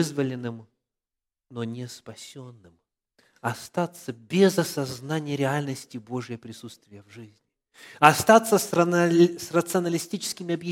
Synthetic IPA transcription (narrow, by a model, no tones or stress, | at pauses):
ɨzvəlʲɪnːɨm | nonʲɪspɐsʲo̞nːɨm | ɐst̪at̪səbʲɪzɐsɐznanʲɪjəɾʲɪalʲnəsʲtʲɪbo̞ʐjəpɾʲɪsut̪st̪vʲɪjəvʐɨzʲnʲɪ | ɐst̪at̪sːəssrət̪sɨɐnəlʲɪsʲtʲit͡ɕɪ̥skʲɪmʲɪɐbjɪ